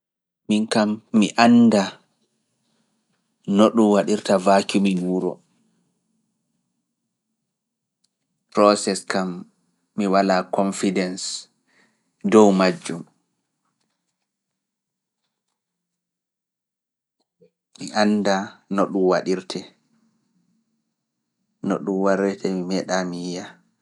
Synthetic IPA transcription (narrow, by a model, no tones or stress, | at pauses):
minkamːiʔanda | noɗuwaɗiɾtavakuminuːɾɔ̰ | pɾɔsɛskamː | iwalakʰɔnfidɛns | dɔwmad͡ʒːum | miʔanːdanɔɗumwaɗiɾtʰɛ | nɔ̰ɗumwaɾɛtʰɛmimɛɗamiːja